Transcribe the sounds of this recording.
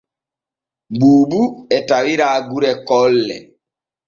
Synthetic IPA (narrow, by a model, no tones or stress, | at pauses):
buːɓuɛtawiɾaːɡuɾɛkɔlːɛ̰